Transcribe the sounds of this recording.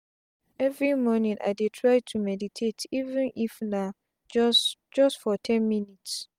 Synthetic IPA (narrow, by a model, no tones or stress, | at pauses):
ɛvɹimɔnĩnʔa̰ɪdetʰɹaɪtʰumɛditʰetʰivɛ̃nʔifna | d͡ʒɔstfɔtʰɛ̃nmĩnits